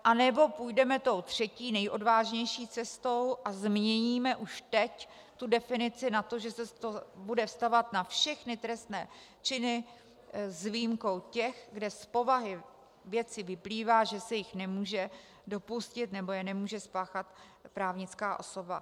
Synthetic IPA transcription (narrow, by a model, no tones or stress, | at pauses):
ʔanɛbo̞pujdɛmɛt̪o̞wt̪r̝̥ɛciːnɛjʔo̞dvaːʒɲɛjʃiːt͡sɛst̪o̞wʔazmɲɛɲiːmɛʔuʃt̪ɛc | t̪udɛfɪnɪt͡sɪnat̪o̞ʒɛsɛt̪obudɛfst̪avat̪nafʃɛxnɪt̪ɾɛst̪nɛː | t͡ʃɪnɪ | zvijmko̞wcɛxɡdɛspo̞vaɦɪ | vjɛt͡sɪvɪpliːvaːʒɛsɛjɪxnɛmuːʒɛ | do̞puscɪt̪nɛbo̞jɛnɛmuːʒɛspaːxat̪ | pɾaːvɲɪt͡skaːʔo̞̰so̞ba̰